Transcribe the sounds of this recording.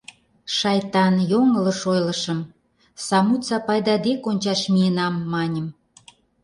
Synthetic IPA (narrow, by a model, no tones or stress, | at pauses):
ʃɑjt̪ɑnjoŋələ̆ʃojlə̆ʃə̆m | sɑmut͡sɑpɑjd̪ɑd̪ekonʲt͡ɕɑʃmienɑmːɑnʲəm